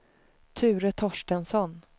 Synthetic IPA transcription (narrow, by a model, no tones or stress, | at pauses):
t̪ʰʉ̟ːɾət̪ʰɔʂʈənsɔn